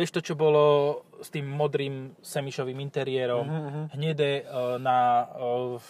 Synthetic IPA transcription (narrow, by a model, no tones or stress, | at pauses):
ɛʃt̪ɔt͡ʃɔbɔlɔst̪iːmːɔd̪ɾiːmsɛmiʃɔʋiːmint̪ɛɾɪɛɾɔmɦɲɛd̪ɛna